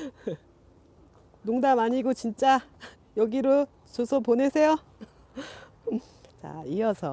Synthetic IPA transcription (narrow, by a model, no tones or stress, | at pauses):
noŋdamaɲiɡot͡ɕint͡ɕ͈a | jʌɡiɾo | t͡ɕosʰʌponesʰe̞jo | t͡ɕa̰iʌsʰʌ